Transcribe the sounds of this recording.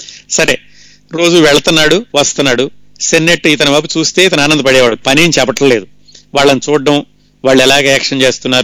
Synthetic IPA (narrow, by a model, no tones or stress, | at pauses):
sɐɾeː | ɾo̞ːd͡ʒuʋɛɭɐt̪unːaːɽuʋɐst̪ɐnːaːɽu | senːeʈːit̪ɐnɐbɐp̬ut͡ʃuːst̪e̞ːit̪ɐnaːnɐnd̪ɐpɐɽɛːʋaːɽupɐnint͡ʃɛpɐʈlɐle̞ːd̪u | ʋaːɭːɐnit͡ʃuːɖːɐm | ʋaːɭːɛlaːɡːɛːkʂɐnt͡ʃe̞ːst̪unːaːɾu